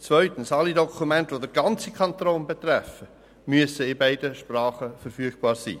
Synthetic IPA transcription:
t͡svœʏtən̩sɑlidɔkʰumɛntʋodəɾɡɑnt͡sikʰɑntɾoːnbɛt̪ɾɛfə | myəsəɪbaɪdəʃprɑːχəfəɾfyəɡ̥̚b̥ɑːɾsḭː

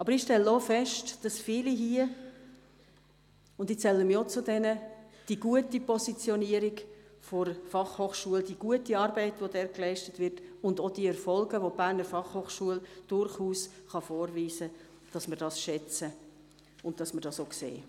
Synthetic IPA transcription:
ʔɑbəɾɪχʃtɛlːəofɛʃtd̥ɑsfiːliɦiə | ʊndit͡sɛlːəmot͡sʊdɛnəd̥iɡuətipɔsit͡sjɔniəɾiɡfɔɾfɑχhoːχʃuəldiɡ̥uətiɑːɾbɛɪtʋodɛːɾklɛɪʃtətʋɪɾtʊndod̥iɛɾfɔlɡəʋob̥æːɾnəɾfɑχhoːχʃuəld̥ʊɾχuːsχɑfoːɾviːsə | d̥ɑsməɾd̥ɑsʃɛt͡sə | ʊn̚d̥ɑsməɾd̥ɑsoksḛː

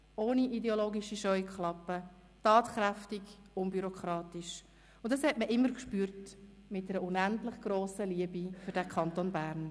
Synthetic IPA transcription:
oːniʔidɛoloːɡiʃiʃœʏkχlɑpːə | tɑːtχɾæftɪɡʊmbyɾokʰɾɑːtiʃ | ʊntd̥ɑshɛtməʔɪmːəɾkʃpyːɾt | mɪt̚dɛɾəʊnæntlɪχɡ̥ɾoːsəliəbifʏɾdækʰɑntonbæːɾn

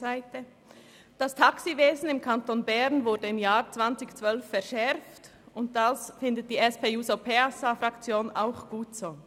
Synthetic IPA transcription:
aɪtə | d̥astʰaksiveːzn̩ɪmkʰantonbɛʁnvʊɐdəɪmjaːɾt͡sv̥ant͡sɪçt͡sv̥œlfːɛɐʃɛʁft | ʊnt̚d̥asfɪndət̚d̥iːɛspʰeːjuːzopʰeasafʁakt͡sjoːna̰ʊxɡ̥uːtsoː

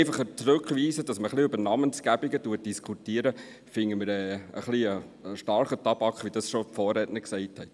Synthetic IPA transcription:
ɪfɑχət͡sɾʉkχʋiːsəd̥ɑsməχliʉbənɑmənsɡ̥æbiɡətuːət̚d̥iskʰutiːəɾə | fɪŋəməɾɛːə̰χliə | əʃtɑɾχətɑb̥ɑkχʋid̥ɑsʃɔfɔːɾɛtnəksɛɪthɛt

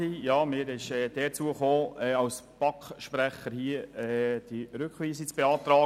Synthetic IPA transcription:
ijɑːmɪːɾɪʃɛːd̥ɛːt͡suəχoːɛːɑʊspɑkʃpɾɛχəɾhiəɛːd̥iɾʏkχʋiːsit͡sb̥eɑːt̪ɾɑː

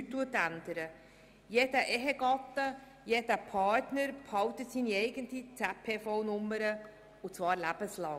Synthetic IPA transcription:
ytːuət̪ænd̪̥əɾə | jeːdəʔɛɦəɡɑt̪ːə | jeːd̥əpʰɑːɾtnəɾphɑwtətsiːniɛɪɡəntit͡sæpʰeːfɔwnʊmːəɾə | ut͡svɑːɾlæb̥əslɑŋ

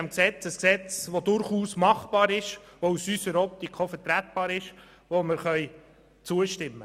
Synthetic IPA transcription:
mksɛt͡səsksɛt͡sʋod̪ʊɾχuːsmɑχb̥ɑːɾɪʃʋousysəɾɔp̚t̪ikʰofətɾæt̪̚b̥ɑːɾɪʃ | ʋoməɾχœʏ | t͡suəʃtɪmːə

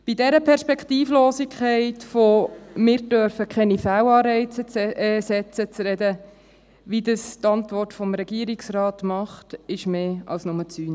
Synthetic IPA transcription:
b̥idɛɾəpʰɛɾʃpɛkχtiːfloːsikʰχɛɪtfomɪːɾdœɾfəkχɛnifæːwɑːɾɛɪt͡sət͡sːsɛt͡sət͡sɾɛdə | ʋidəstɑntʋɔrtfɔmɾɛɡ̥iəɾiksrɑːtmɑχtɪʃmeːɑ̰lsnʊmət͡syːn

